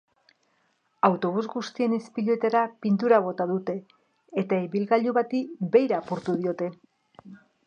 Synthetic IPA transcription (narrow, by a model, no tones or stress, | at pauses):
awt̪o̞β̞uzɣust̪ie̞nespiʎo̞t̪aɾapint̪̬uɾaβo̞t̪aðut̪e̞ː | t̪aiβilɣaʎuβat̪ibe̞jɾaːpuɾt̪uð̞io̞t̪e̞